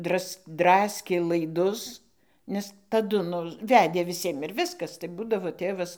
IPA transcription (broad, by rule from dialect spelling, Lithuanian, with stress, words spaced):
ˈdrɐs ˈdrɑːsʲkʲeː lˠɐɪˈdʊs nʲɛs tɐˈdʊ ˈnʊ ˈʋʲæːdʲeː ʋʲɪˈsʲiɛm ɪr ˈʋʲɪskɐs tɐɪ ˈbuːdɐʋoː ˈtʲeːʋɐs